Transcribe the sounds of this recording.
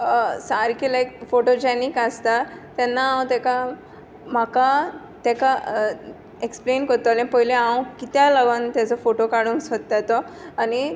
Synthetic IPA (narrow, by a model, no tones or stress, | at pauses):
saɾkilajkfoʈod͡ʑanikast̪at̪ɛnːaãw̃t̪ɛka | m̤aka | t̪ɛka | eksplenkəɾt̪ɔlẽpəɦileaw̃kit̪jaləɡɔnt̪jat͡sɔfoʈokaɽuːnsɔt̪ːat̪ɔani